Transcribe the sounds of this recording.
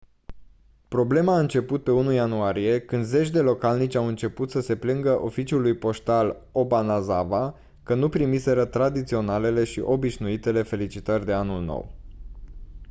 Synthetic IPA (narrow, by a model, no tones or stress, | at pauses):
pɾo̞ble̞maːɨnt͡ʃe̞put̪̚pe̞unujanuaɾije̞kɨnd̪ze̞t͡ʃʲd̪e̞lo̞kalnit͡ʃʲawɨnt͡ʃe̞put̪səse̞plɨŋɡəʔo̞fit͡ʃulujpo̞ʃt̪al | o̞banazava | kənupɾimise̞ɾət̪ɾad̪it̪sio̞nale̞le̞ʃḭʔo̞biʃnuit̪e̞le̞fe̞lit͡ʃit̪ərʲd̪e̞anulno̰w